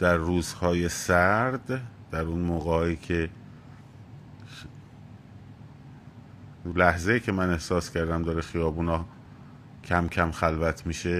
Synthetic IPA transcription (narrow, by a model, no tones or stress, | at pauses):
d̪̥æɾːuːzhɒːje̞sæɾd̪d̪̥æɾunmoːɣehɒːjiːcʰe̞ | læhzejiːcʰe̞mæne̞hsɒːscʰæɾd̪æmd̪ɒːɾexijɒːbuːnɒː | cʰæmcʰæmxælvæt̪ʰmiːʃe̞